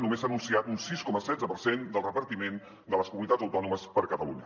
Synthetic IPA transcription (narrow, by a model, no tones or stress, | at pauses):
numesanunsiat̪unsiskɔməsɛdd͡zzəpəɾsend̪əlˠrəpəɾt̪imen | d̪ələskumunit̪azəwt̪ɔnuməspəɾkət̪əlṵɲə